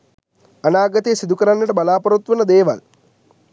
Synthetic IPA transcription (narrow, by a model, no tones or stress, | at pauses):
ɐnaːɡɐt̪eːsid̪ʱukɐɾanːɐʈɐbɐlaːpɐɾut̪ʋunɐd̪eːʋɐ̰l